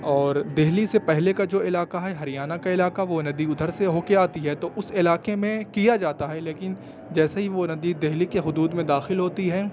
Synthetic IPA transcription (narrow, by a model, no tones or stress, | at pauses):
ɔːɾd̪eɦlisepɛɦlekad͡ʒoːɪlaːkaɦɛɦɐɾijaːnakaɪlaːkaʋonɐd̪iʊd̪ʱəɾseɦoːkeaːt̪iɦɛt̪oʔʊsɪlaːkemẽkijad͡ʒaːt̪aɦɛleːkɪn | d͡ʒɛːsaɦiʋonɐd̪id̪eɦlikeɦʊd̪uːd̪mẽd̪aːxɪlɦoːt̪iɦɛː